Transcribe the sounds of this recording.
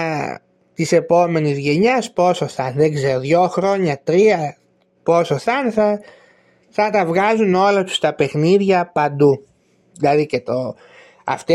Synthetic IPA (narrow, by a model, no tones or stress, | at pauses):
t̪ise̞po̞me̞nizʝe̞ɲɐspo̞so̞θɐnðeɡze̞ɾoðʝo̞xɾo̞ɲɐt̪ɾiɐ | po̞soθɐnθɐ | θɐt̪ɐvɣɐzuno̞lɐt̪u̥st̪ɐpe̞xniðʝɐpɐnd̪u | ðilɐðicet̪o | ɐ̰ft̪e